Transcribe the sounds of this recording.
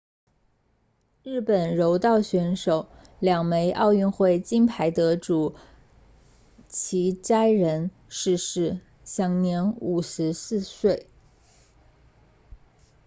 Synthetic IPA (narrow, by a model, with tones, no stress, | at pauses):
ɻɻ̩˥˩pə˨˩nɻo˧˥ʊt̪ɑ˥˩ʊɕɥɛ˧˥nʂo˨˩˦ʊ | ljɑ˨˩ŋme˧˥ɪʔɑ̰˥˧ʊy˥˧nxwe˥˩ɪt͡ɕi˥npʰa˧˥ɪt̪ɤ˧˥ʈ͡ʂu˨˩ | t͡ɕʰi˧˥ʈ͡ʂa˥ɪɻə˧˥n | ʂɻ̩˥˧ʂɻ̩˥˩ | ɕjɑ˧˥ŋnjɛ˧˥nu˨˩ʂɻ̩˧˥sɹ̩˥˧swe˥˩ɪ